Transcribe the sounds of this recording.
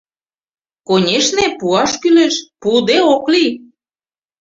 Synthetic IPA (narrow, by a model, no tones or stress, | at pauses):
konʲeʃnepuɑʃkyleʃpud̪eokli